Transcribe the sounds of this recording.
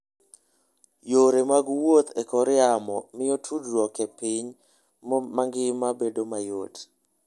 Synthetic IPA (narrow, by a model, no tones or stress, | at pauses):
joɾemaɡwot̪ekɔɾɛamɔmɪjotʰudɾɔkepiɲ | mmaŋɡɪmabedomajot